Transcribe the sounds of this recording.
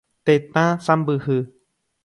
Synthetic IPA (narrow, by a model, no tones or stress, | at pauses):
t̪et̪ãsambɨɦɨ